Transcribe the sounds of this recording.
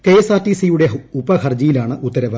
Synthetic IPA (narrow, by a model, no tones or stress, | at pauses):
keːsaːtːisijuɽe̞upːɐkɐrd͡ʑijilaːɳɨʔut̪ːɐɾɐʋɐ